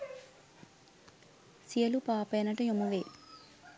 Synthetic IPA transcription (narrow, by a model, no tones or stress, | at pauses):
sijɐlupaːpejnɐʈɐjomuʋe